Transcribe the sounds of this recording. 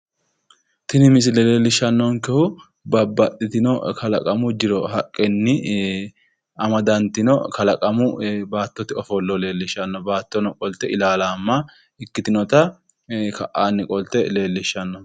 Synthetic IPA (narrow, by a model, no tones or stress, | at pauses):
t̪ɪnɪmɪs̬ɪlɛle̞ːlːɪʃɐnːɔnkɛhʊ | bɐbːɐt̪ʼːɪt̪ɪnɔkɐlɐkʼɐmʊd͡ʒɪɾɔhɐkʼːɛnːɪ | ɐmɐd̪ɐnt̪ɪnɔkɐlɐkʼɐmʊbaːt̪ːɔt̪ɪɔfɔlːɔle̞ːlːɪʃɐnːɔbaːt̪ːɔnɔkʼɔlt̪ɛɪlaːlaːmːa | ɪkːɪt̪ɪnɔt̪ɐ | kɐ̰ʔaːnːɪkʼɔlt̪ɛle̞ːlːɪʃːɐnːɔ